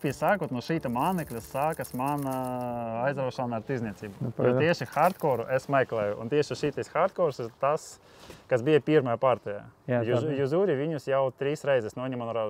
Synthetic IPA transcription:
pʲisaːkoːt̪nuʃiːt̪ɛmaːnɛklʲɐsaːkɐsmaːnaajzɾaɔʃanaːɾt̪izʲnʲiɛsʲiːbuɔt̪iɛʃɪxaɾt̪kɔːɾuʔɛsmajklˠɛːjʊṵnt̪ʲiɛʃɪʃiːt̪ɛsxaɾt̪̚kɔːɾsɪɾt̪as | kasbijɐpʲiɾmajapaɾt̪ʲɛja̰ːjjuzuːɾʲiʋʲiɲʲusjawt̪ʲɾʲiːsɾɛjzɛsnɔiɲʲimanuɾa

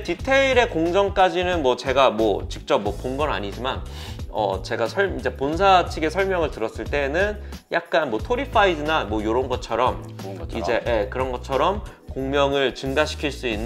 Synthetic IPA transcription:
titʰe̞iɾe̞koŋd͡ʑʌŋk͈ad͡ʑinɯnmwʌt͡ɕe̞ɡamwʌt͡ɕik̚t͡ɕ͈ʌp̚mwʌponɡʌna̰ɲid͡ʑiman | ʌ̰t͡ɕe̞ɡasʰʌɭid͡ʑe̞ponsʰat͡ɕʰiɡe̞sʰʌɭmjʌŋɯɭtɯɾʌs͈ɯɭt͈e̞nɯnjak̚k͈anmwʌtʰoɾipʰaidɯnamwʌjoɾʌɯnɡʌt͡ɕʰʌɾʌmid͡ʑe̞je̞kɯɾʌnɡʌt͡ɕʰʌɾʌm | koŋmjʌŋɯɭt͡ɕɯŋɡaɕʰi̥kʰiɭs͈uinː

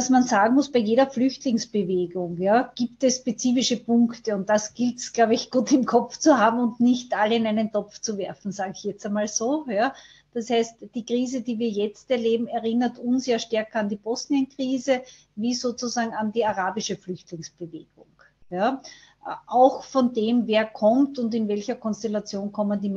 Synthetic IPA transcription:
asmanzaːɡŋ̩mʊsb̥æɪjeːɾɐflʏçtlɪŋsb̥əveːɡʊŋjaːɡ̥iːptɛsʃpet͡siːfɪʃəpʊŋktəʊnt̚d̥asɡ̥ɪltsɡ̥laʊbəɪçɡ̥uːtɪmkʰɔft͡suhaːbm̩ʊntnɪçtʔaləɪnæɪnəntɔpft͡suvɛɐfn̩zaːɡəɪçjɛt͡stæmaːlzoːjaː | d̥ashæɪstd̥iːkʁiːzədiːviːɐjɛt͡stɛɐleːbm̩ɛɐʁɪnɐtʊnsjaːʃtɛɐkɐandiːb̥ɔsniənkʁ̥iːzə | viːzoːt͡suzaːɡŋ̩andiːaʁaːbɪʃəflʏçtlɪŋsb̥əveːɡ̥ʊŋ | ja | ʔʔaʊxfɔndeːmveːɐkʰɔmtʊntɪnvɛlçɐkʰɔnstɛlat͡sjoːnkʰɔməndiːm

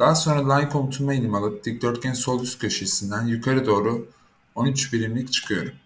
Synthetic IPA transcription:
d̪̥aːso̞nɾad̪ˠajkʰo̞mt̪ʰumailʲimalˠɯt̪ːik̚d̪øɾt̪̚ɟʲɛnso̞lˠyst̪kʲʰøʃesind̪ænjykʰaɾɯd̪o̞ːɾu | o̞nyt͡ʃbiɾimlʲict͡ʃʰɯ̥kʰɯjo̞̰ɾum

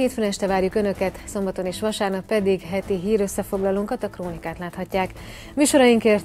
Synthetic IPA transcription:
heːt̪fɾɛnt͡ʃt̪ɛvaːrjukø̞nø̞kɛt̪so̞mbɒt̪o̞neːʃʋɒʃaːrnɒkpɛd̪iɡɦɛt̪iɦiːɾø̞sːɛfo̞ɡlɒloːŋkɒt̪ɒkroːnikaːt̪laːt̪hɒcːaːk | myːʃo̞ɾɒjiŋkeːrt̪

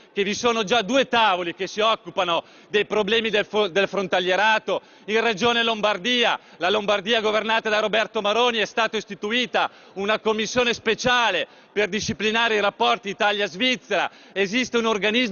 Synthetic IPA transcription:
kevisoːnod͡ʒad̪uːet̪aːvolik̟esiɔkːupano | d̪ejpɾoblɛːmid̪elfod̪elfɾont̪aljeɾaːt̪o | inred͡ʒoːnelombard̪iːa | lalombard̪iːaɡovernaːt̪ad̪aɾobɛrt̪omaɾoːniɛst̪aːt̪oist̪it̪uiːt̪a | unakomːisːjoːnespet͡ʃaːle | perd̪iʃːiplinaːɾeiɾapːɔrt̪iːt̪aljazvit̪sːeɾa̰ | ezist̪eunorɡaniz

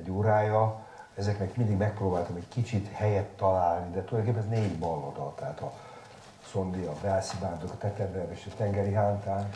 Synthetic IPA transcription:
ɛɟoːɾaːjɒ | ɛzɛknɛkmind̪iɡmɛk̚proːbaːlt̪ɒmɛckit͡ʃit̪hɛjɛt̪ːɒlaːlnid̪ɛt̪ud̪ɔjd̪okeːpːɛnɛzneːɟbɒlːod̪ɒlt̪ɛɦat̪ɒ | so̞nd̪iɒbɛlsibaːnt̪okɒt̪ɛt̪ɛbɛveːʃɛt̪ɛŋɡɛɾiɦaːnt̪aːn

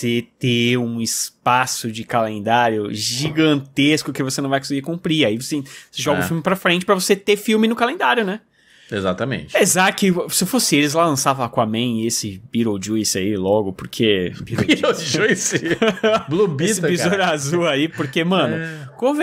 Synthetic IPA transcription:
set̪ẽũɪspasʊd͡ʒɪkalẽnd̪aɾjʊʒiɡɐ̃nt̪eskʊkɪvosenɐ̃w̃vajkõsɪɡiɾkũmpɾiaivosẽseʒɔɡɐʊfiuwmɪpɾɐfɾẽt͡ʃɪ̥pɾɐvoset̪efiwmɪnʊkalẽnd̪aɾjʊnɛ | ezat̪ɐmḛ̃t͡ʃɪezat̪ʊkɪsɪfosɪ̃elɪzlalɐ̃savɐ̃lakõamẽj̃esɪbiɾowd͡ʒujsɪailɔɡʊpoɾkʰebiod͡ʒujs | blobisɪpizoʎʊazuaipoɾkemɐ̃nʊkõv

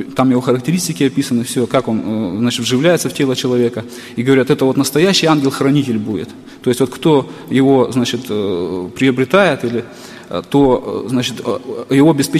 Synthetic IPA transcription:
t̪amjɪvo̞xəɾəktʲɪɾʲisʲtʲɪkʲɪɐpʲisənɨfsʲokako̞nznat͡ɕɪt̪vʐɨvlʲæjɪt̪səftʲe̞lˠət͡ɕɪlˠɐvʲekə | iɡəvɐɾʲat̪ɛt̪əvot̪nəst̪ɐjæɕːɪjanɡʲɪlˠxɾɐnʲitʲɪlʲbudʲɪ̰t̪ː | oɪsʲt̪ʲvo̞t̪kt̪o̞jɪvo̞znat͡ɕɪt̪pɾʲɪəbɾʲɪt̪ajɪt̪ilʲɪ | t̪o̞znat͡ɕɪt̪jɪvo̞ɐbʲɪspʲe

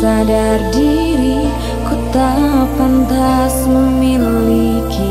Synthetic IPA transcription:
saɖaɾɖiɾi | kut̪ːapɐnd̪asuminli | ki

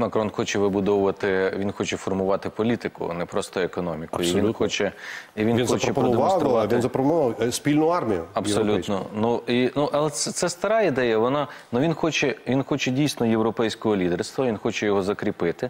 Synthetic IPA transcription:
mɐkɾɔnxɔt͡ʃɛʋɪbʊd̪ɔʋʊʋɐt̪ɪʋʲinxɔt͡ʃɛfɔrmʊʋɑt̪ɪpɔlʲit̪ɪkʊ̰nɛpɾɔst̪ɔekɔnɔmʲikʊiʋinxɔt͡ʃɛiʋʲininxɔt͡ʃɾɛpɾɔdd̪eɔnɾʋ̪inzɐpɾɔpnʊʋɑwsʲpʲilʲnʊɑrmʲijʊ̰ɐbsɔlʲut̪nɔnuinuʔɐlˠɛt̪sɛt̪sɛst̪ɐɾɑid̪ɛjɐʋɔnɑnuʋʲinxɔt͡ʃɛʋʲinxɔt͡ʃɛdʲijsʲnɔjewɾɔpɛjsʲkɔɦɔlʲid̪erst̪ʋɐʋinxɔt͡ʃɛjɔɦɔzɐkɾʲipɪt̪ɪ

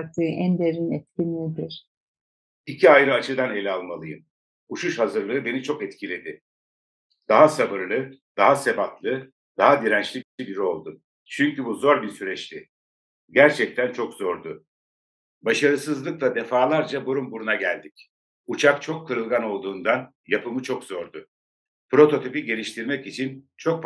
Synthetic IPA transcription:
ɾt̪ʰɯʔænd̪eɾinɛt̪cʲinid̪iɾ̥ | icʰiajɾɯat͡ʃʰɯd̪ane̞lʲalˠmalˠɯjɯ̰m | uʃuʃhazɯɾlˠɯɯbe̞nit͡ʃʰo̞kɛt̪cʰilʲe̞d̪ɪ | d̪̥aɦasabɯɾlˠɯd̪aɦase̞bat̪lˠɯ | d̪̥aɦad̪iɾænt͡ʃlʲibiibiɾio̞lˠd̪u | t͡ʃʰyɲcybuzo̞ɾbiɾsyɾɛt͡ʃlʲi | ɟæɾt͡ʃʰɛc̚t̪ʰænt͡ʃʰo̞kz̥o̞ɾd̪ʊ | baʃaɾɯsɯzlˠɯklˠad̪e̞faːlˠaɾd͡ʒaboɾumbuɾunaɟælʲd̪ic | ut͡ʃʰakt͡ʃʰo̞kʰːɯɾɯlˠɡano̞lˠd̪uːnd̪an | japɯmɯt͡ʃʰo̞kz̥o̞ɾd̪ʊ | pɾo̞t̪ʰo̞t̪ʰypiɟe̞lʲiʃt̪ʰiɾmɛcit͡ʃʰint͡ʃʰo̞k̚p

